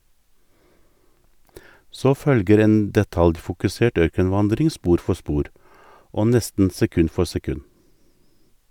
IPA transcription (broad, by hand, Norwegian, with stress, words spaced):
ˈsoː ˈfœlɡəɾ ˈeːn dɛˈtɑljfʊkʉˌseːʈ ˈœɾkənˌʋɑndɾɪŋ ˈspuːɾ ˈfɔ ˈspuːɾ ˈoː ˈnɛstn̩ sɛˈkʉn ˈfɔ sɛˈkʉn